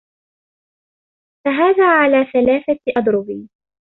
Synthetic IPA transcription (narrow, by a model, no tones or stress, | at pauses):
faɦaːðaːʕalaːθalaːθaʔɑd̪ˤɾʊbiː